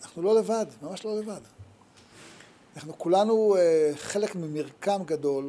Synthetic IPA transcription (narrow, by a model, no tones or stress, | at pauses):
anaχnulo̞le̞vadmamaʃlo̞le̞vad̪ | anaχnukulanueχe̞lekmimiʁkamɡado̞l